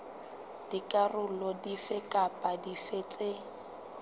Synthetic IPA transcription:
d̥ikʼarʊlɔdifɪkʼapʼadifet͡sʼe

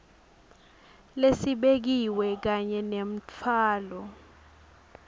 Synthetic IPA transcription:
lesiɓek̬iwɛk̬aɲɛnem̩t͡fʰaːlɔ

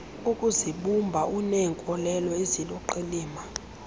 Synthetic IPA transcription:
ukʼuziɓumbʱaunɛŋkʼɔlɛlɔezilɔǃiliːma

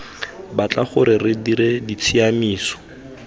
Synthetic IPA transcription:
bat͡ɬaχʊɾɪrɪdiɾɪdit͡sʰiamiːsɔ̥

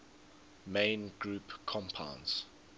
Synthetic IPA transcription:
mẽɪnɡɹuːpkʰɔ̃mpʰã̰ʊ̃nz̥

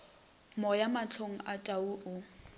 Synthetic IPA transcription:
mɔjamat͡ɬʰoŋ̩atʼauːʔʊ

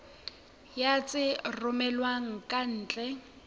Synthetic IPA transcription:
jat͡sʼɪrʊmɛlwaŋ̩kʼan̩ːt͡ɬʼɛ

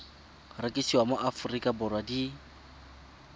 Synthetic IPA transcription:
rɪkʼisiwamʊʔafʊrikʼabʊrwadi

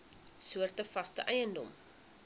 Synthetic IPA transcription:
suərtəfɐstə̰ʔɛjəndɔ̰m

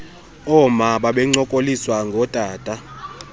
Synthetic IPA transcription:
ɔmaɓaɓɛŋ͡ǀɔkʼoliswaŋɡʱɔtʼaːtʼa

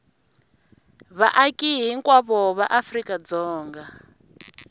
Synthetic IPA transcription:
βa̰ʔakʼiɦiŋkwaβɔβaʔafrikʼad͡zɔːŋɡa

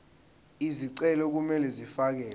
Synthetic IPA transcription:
iziǀɛlɔk̬umɛlɛzifak̬ɛːl

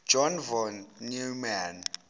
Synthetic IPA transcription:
d͡ʒɔnvɔnnuman

